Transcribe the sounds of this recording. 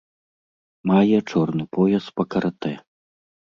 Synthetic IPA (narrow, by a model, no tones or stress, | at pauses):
majɛt͡ʂɔrnɨpɔjɐspɐkɐɾɐt̪ɛ